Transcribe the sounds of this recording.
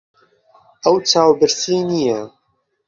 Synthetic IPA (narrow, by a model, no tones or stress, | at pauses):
ʔɐwt͡saːwbɨɾsiːnija